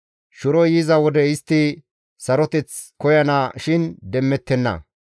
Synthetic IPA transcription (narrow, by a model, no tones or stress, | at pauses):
ʃʊɾɔjizɐwɔd̪ɛɪst̪ːɪ | sɐɾɔt̪ɛt͡skɔjɐnaʃɪnd̪ɛmːɛt̪ːɛnːɐ̰